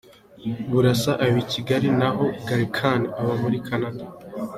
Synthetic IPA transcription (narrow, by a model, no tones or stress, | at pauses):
βuɾasaʔawicʰiɡaɾinaɦo̞ɡaɾikʰaniaβamuɾikʰanada